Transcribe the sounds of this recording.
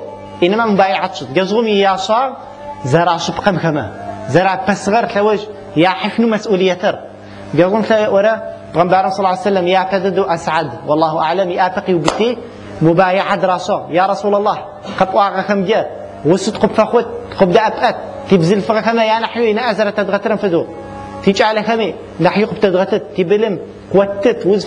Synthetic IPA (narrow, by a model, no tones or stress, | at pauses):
ʔinːɐmamubaːjaʕat̪t͡ʃʰɨt̪̚ɡɐʒʁʊmjɪjaːʃaːʁ | zɐɾaːʃɨpqɐmxɐmɐzɐɾaːpːɐsʁɐɾɬɐwɐʒ | jaːħəʃnumɐsʔuːlɨjːɐt̪ʰɐɾ | ɡɐʒʁʊmɬɐjʔwɐɾɐ | b̥ʁɐmbaːɾɐmsˤɑlˤːaʕsɐlːɐmjaːpːɐd̪ɐd̪uʔɐsʕad̪wʔɑlˤːɑːɦuʔaʕlɐmjɪʔaːpɐqjiwbɨt̪ːi | mubaːjaʕad̪ɾˤɑːʃɐʁjaːɾˤɐsuːlɐlˤːɑːh | qɐpʼʔʷɑːʁɐxɐmɡɐ | wʊsut̪qʊbfɐxʷʊt̪̚ː | qʊb̚d̪aʔɐpʼʔɐt̪̚ːiːbzɨlfɨʁɐxɐmɐjaːnaħjujinɐʔɐzɐɾɐt̪ɐd̪ʁɐt̪ɨɾɐmfɨd̪uʁ | t̪ʰit͡ʃʼʕalɐxɐmiː | naħjuqʊb̚t̪ʰɐd̪ʁɐt̪ɨt̪ːiːbɨlɨm | qwɐt̪ːɨt̪wʊz